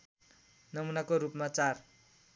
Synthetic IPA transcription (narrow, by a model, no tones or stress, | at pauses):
nʌmunakoɾupmat͡sar